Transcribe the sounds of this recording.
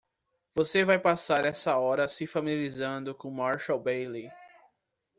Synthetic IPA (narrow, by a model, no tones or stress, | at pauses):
vosevajpasaɾɛsɐɔɾɐsɪfamializɐ̃nd̪ʊkõmaɾʃawbejli